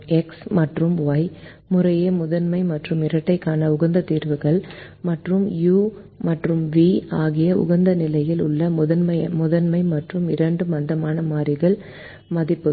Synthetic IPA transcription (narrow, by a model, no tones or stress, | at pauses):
ɛksmɐʈrɯmʋaːj | mʊrɐjɐmʊðɐnmɐɪmɐʈrɯmɪɾɐʈːɐɪkːaːnɐʊɣɐnd̪ɐt̪iːɾʋɯɣɐɭ | mɐʈrɯmjuː | mɐʈrɯmʋiːaːɣɪjɐʔʊ̰ɣɐnd̪ɐnɪlɐjɪlʊɭːɐmʊðɐnmɐmʊðɐnmɐɪmɐʈrɯmɪɾɐɳɖɯmɐnd̪ɐmaːnɐmaːɾɪɣɐɭ | mɐðɪpːɯ